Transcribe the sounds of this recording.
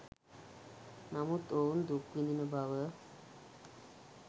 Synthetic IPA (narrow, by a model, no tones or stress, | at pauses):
namut̪ound̪ukʋininəbaʋə